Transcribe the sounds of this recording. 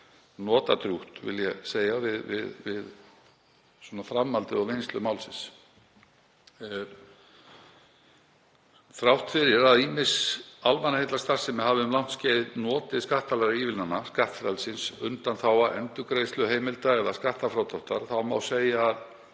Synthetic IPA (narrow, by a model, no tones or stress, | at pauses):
nɔːt̪at̪ɾjuht̪vɪ̰ljɛseːjavɪðvɪðvɪð | swɔnafɾamːalt̪ɪɔɣvejnst̪ʏmaːwlsɪns | θɾawht̪fɪɾɪɾaðiːmɪsalmanahejt̪last̪ar̥sɛmɛhavɪʏmlawn̥t̪scɛːɪðnɔːt̪ɪskaht̪alɛɾɪiːvɪlnanːaskaht̪fɾalsɪnsʏnt̪anθawaðɛnt̪ʏkɾeːjslʏɦeːjmɪlt̪aɛðaskaht̪afɾawt̪ʰawht̪aɾ̥θawma̰wseːjað